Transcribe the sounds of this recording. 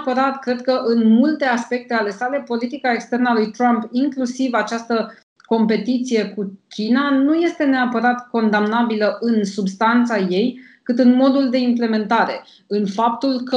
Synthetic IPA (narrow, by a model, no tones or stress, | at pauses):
pəɾat̪kɾe̞d̪̚kəʔɨnmult̪e̞aspe̞k̚t̪e̞ale̞sale̞po̞lit̪ikaekst̪e̞rnəalujt̪ɾampiŋklusivat͡ʃast̪ə | ko̞mpe̞t̪it̪sije̞kukʲinanuje̞st̪e̞ne̞apəɾat̪ko̞nd̪amnabiləʔɨnsubst̪ant̪saje̞j | kɨt̪ɨnmo̞d̪uld̪e̞imple̞me̞nt̪aɾe̞ | ɨnfap̚t̪ulkə